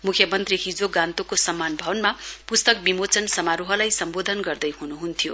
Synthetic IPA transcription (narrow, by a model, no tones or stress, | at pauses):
mukʰjʌmʌnt̪riɦid͡zoɡãnt̪okosʌmːanbʱʌwʌnmapust̪ʌk̚bimot͡sʌnsʌmaɾuɦʌlajsʌmbod̪ʱʌnɡʌrd̪ʌjhunuɦunt̪ʰijo̰